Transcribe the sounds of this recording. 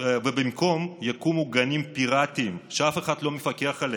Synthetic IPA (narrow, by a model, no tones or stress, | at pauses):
vebimko̞mjakumuɡanimpiʁat̪imʃeafe̞χad̪lomefake̞aχale